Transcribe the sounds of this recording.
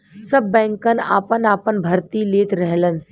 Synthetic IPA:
səbːɛ̃ːŋkəna̰ːpənaːpənbʱɐɾt̪ileːt̪ɾɛɦlən

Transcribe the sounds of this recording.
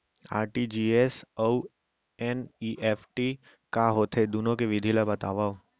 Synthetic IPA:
a̰ːɾʈid͡ʒiːesow | ɛniʔeːpʰʈi | kaːɦoːt̪ʰed̪unõkeʋɪd̪ʱilabɐt̪a̰ːʋaː

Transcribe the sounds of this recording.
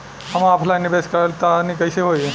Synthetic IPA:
ɐmãːpʰlanibeskəɾlt̪anikəjseɦoi

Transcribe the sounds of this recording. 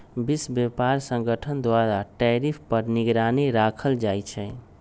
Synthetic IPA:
bisbjepaɾsə̃ŋɡəʈʰənd̪waɾaʈɛɾipʰpəɾniɡɾaneɾakʰəld͡ʒajt͡ʃʰɛ

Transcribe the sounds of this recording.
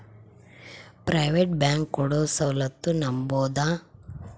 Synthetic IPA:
pɾɐjʋeʈ̚baːŋkːɔɽoːsɐwlɐt̪ːunɐmboːd̪aː

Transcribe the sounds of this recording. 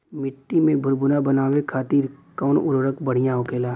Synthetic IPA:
mɪʈːimẽbʱʊɾbʊnabənaːʋekʰaːt̪iːɾkɔːnʊɾoɾəkbəɽ̤ijãɦokeːlaː

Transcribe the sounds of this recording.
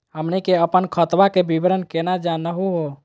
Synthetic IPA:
ɦəmnikeəpənkʰət̪ʋakebibɾənkenad͡ʒanəɦuɦo

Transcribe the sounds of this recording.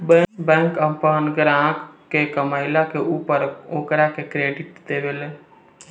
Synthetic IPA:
bɛ̃bɛ̃ŋkəpəɦənɡɾãkkːekəmaɪlakeupəɾokɾakekɾeɖiʈd̪ebele

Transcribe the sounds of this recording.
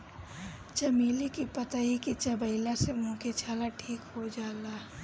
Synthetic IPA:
t͡ʃɐmiːlikipɐt̪aɦikit͡ʃɐbəɪlasemʊ̃ket͡ʃʰaːlaʈʰiːkɦod͡ʒaːlaː

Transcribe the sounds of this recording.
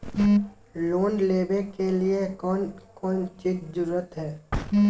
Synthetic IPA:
loːnleːbẽkeliekɔnkɔːnt͡ʃiːd͡ʒd͡ʒʊɾuːət̪ɦɛː

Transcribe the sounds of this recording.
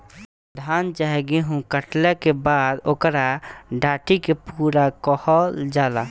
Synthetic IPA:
d̪ʱaːnt͡ʃaɦɛɡeɦũkəʈlekebaːd̪oːkɾaɖaːʈikepuːɾakɔhɔld͡ʒaːla

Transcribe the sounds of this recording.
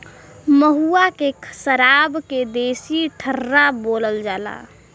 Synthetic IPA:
məɦuakekʰəsəɾabked̪eːsiʈʰəɾːaboːləld͡ʒaːla̰

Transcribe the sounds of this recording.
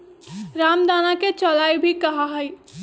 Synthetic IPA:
ɾaːmd̪aːnaket͡ʃɔlaːibʱikɐɦaɦəj

